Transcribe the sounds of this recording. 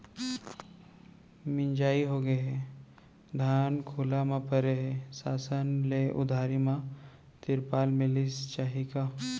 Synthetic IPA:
mɪɲd͡ʒaːiɦoɡəɦɛ | d̪ʱaːnkʰʊːlamãpəɾeɦɛsaːsənleʔʊ̰d̪ʱaːɾimã | t̪ɪɾpaːlmɪ̃lɪst͡ʃaːɦika

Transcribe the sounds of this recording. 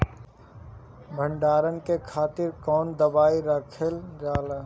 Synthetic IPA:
bʱə̃ɳɖaːɾənkekʰaːt̪ɪɾkɔːnd̪əbaːiɾəkʰeld͡ʒaːleː

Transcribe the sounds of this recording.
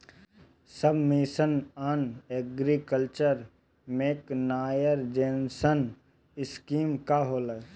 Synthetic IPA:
səbʱmisənaːneːɡɾikəlt͡ʃəɾ | meːknaːjəɾd͡ʒeːnsən | ɪskiːmkaɦoːlə

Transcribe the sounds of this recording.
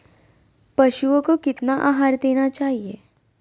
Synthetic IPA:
pɐʃuõkokɪt̪naʔa̰ːɦaːɾd̪eːnat͡ʃaːɦieː

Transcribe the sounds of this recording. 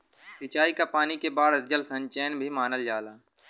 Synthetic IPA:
sɪt͡ʃaːikapaːnikebaːd̪d͡ʒəlsə̃ɲt͡ʃɛːnbʱimaːnəld͡ʒaːlaː

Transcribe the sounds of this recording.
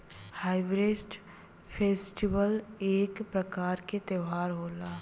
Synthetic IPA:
haːɪʋɾesʈ | pʰeːsʈibəleːkpɾɐkaːɾket̪ewɦaːɾɦoːlaː

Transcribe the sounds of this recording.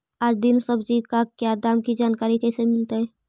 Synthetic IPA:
aːd͡ʒd̪ɪnsəbd͡ʒikakjad̪aːmkid͡ʒaːnkaːɾikesemɪlt̪aɦɛ

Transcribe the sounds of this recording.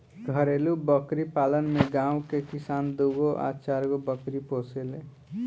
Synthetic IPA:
ɡʱəɾeːlubəkɾipaːlənmeɡãːũkekɪsaːnd̪uɡoʔa̰ːt͡ʃaɾɡobəkɾipoːsele

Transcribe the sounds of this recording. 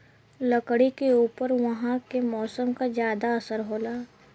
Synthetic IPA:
lɐkɽikeuːpəɾʋɐɦãkemɔːsəmkazjaːd̪aɐsəɾɦoːlaː

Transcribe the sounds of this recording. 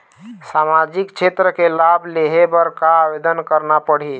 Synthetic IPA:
samad͡ʒikt͡ʃʰet̪ɾəkelableɦebəɾkaːbed̪ənkəɾnapəɽ̤i

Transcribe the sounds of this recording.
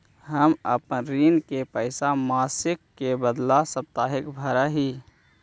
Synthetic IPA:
ɦəməpənɾiːnkepəɪsamaːsɪkːebəd̪lasəp̚t̪aːɦɪkbʱəɾəɦiː

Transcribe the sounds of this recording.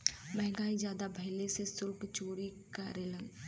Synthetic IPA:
mɛ̃ɦŋɡaːizjaːd̪abʱɐɦɪlesesʊlpt͡ʃoːɾikaːɾelə̃ŋɡ

